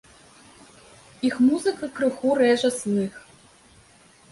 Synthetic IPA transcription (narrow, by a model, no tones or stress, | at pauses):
ixmuzɨkɐkrɨxurɛʒɐsnɨx